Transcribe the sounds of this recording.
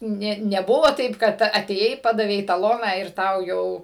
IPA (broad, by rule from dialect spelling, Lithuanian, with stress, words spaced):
ˈnʲeː nʲɛˈbʊʋoː ˈtɐɪp kɐt ɐtʲeːˈjɛɪ ˈpɑːdɐʋʲɛɪ tɐˈlˠoːnɑː ɪr ˈtɐʊ ˈjɛʊ